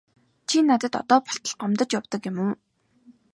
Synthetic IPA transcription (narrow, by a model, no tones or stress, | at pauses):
t͡ɕʰinat̪ə̆t̪ɔ̰t̪ɔːpɔ̥ɬt̪ə̆ɮɢɔmt̪ə̆t͡ɕjawt̪ɞ̆kjɪ̆muː